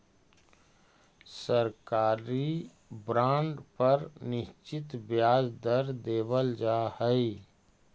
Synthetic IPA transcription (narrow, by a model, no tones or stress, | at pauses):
səɾkaːɾi | bɾãːɳɖpəɾnɪʃt͡ʃɪt̪bjaːd͡ʒd̪əɾd̪eːbəld͡ʒaːhəi